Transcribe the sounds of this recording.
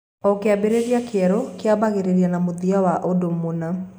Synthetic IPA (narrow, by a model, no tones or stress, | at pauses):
ɔkeabeɾeɾiakɛɾokeabaɣeɾeɾianamoðiawaʔodomona